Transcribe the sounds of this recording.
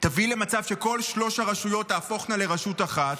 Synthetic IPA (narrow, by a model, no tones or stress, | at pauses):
tavile̞mat͡savʃe̞ko̞lʃlo̞ʃaʁaʃujo̞tːaːfo̞χnale̞ʁaʃutaχat̪